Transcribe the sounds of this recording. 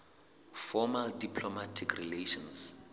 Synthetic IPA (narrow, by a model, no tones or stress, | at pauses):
fɔmaldipʰlɔmatʰikʰrileʃɔ̃ns